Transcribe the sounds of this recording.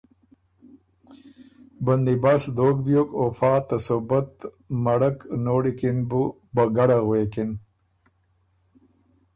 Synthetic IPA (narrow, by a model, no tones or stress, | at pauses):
bənd̪ibasd̪oːk̚bjoːkofɑːt̪asobət̪ | maɽəknoːɽikinbu | baɡaɽaɣwekin